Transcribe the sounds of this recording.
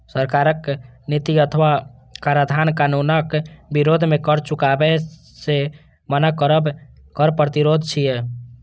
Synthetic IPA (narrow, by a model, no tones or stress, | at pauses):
səɾkaːɾək | nit̪iət̪ʰʋa | kaɾad̪ʱaːnkanunəkbiɾod̪ʱmẽkəɾt͡ʃʊkabɛ | se | mənəkəɾəb | kəɾpɾət̪iɾod̪ʱt͡ʃʰijɛ